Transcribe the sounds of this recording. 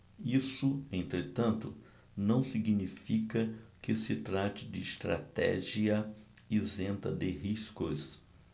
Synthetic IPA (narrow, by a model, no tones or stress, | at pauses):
isʊẽnt̪ɾet̪ɐ̃nt̪ʊ | nɐ̃w̃siɡnifikɐkɪsɪt̪ɾat͡ʃɪd͡ʒ̪ɪːst̪ɾa̰t̪ɛ̰ʒiɐ | izẽnt̪ɐ̰d̪ɪɦiskʊs